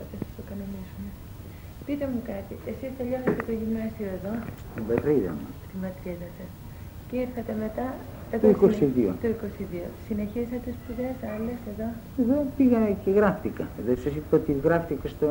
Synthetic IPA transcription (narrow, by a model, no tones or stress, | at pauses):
ot̪esɐst̪okɐnonisune | pit̪e̞mukɐt̪iʔe̞sist̪eʎosɐst̪et̪oʝimoosioeðo̞st̪ibɐt̪ɾiðɐ̰mɐt̪imɐt̪ɾiðɐsɐs | ceiɾθɐt̪e̞me̞t̪ɐ | et̪oikosiðio̰t̪oiko̞siðiosine̞çisɐt̪uspizesɐlese̞ðo̞ | eðopiɣɐceɣɾɐft̪ikɐ̰ðosɐsit̪pot̪iɣɾɐft̪ikɐst̪o